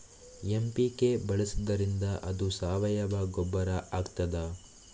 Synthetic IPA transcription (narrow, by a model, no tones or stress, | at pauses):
empikebɐɭɐsid̪ɐɾind̪ɐʔɐd̪usaːʋɐjɐbaɡɔbːɐɾɐʔaːɡt̪ɐd̪ɐ